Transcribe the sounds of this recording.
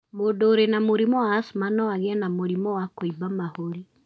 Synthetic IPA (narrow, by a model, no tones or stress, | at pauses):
modoːɾenamoɾimɔwaːsumanɔaɣeɛnamoɾimɔwakoibamahoɾi